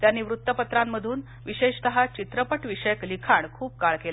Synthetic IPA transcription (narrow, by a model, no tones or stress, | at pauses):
t̪janːiːʋɾut̪ːəpət̪ɾamːəd̪ʱuːn | ʋiɕeɕt̪əɦat͡ɕit̪ɾəpəʈʋiɕəjəklikʰaɳkʰuːp̚kaɭkela